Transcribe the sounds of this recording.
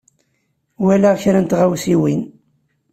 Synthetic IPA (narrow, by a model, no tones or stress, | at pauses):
wælæʁçɾænt̪ʁæwsiwin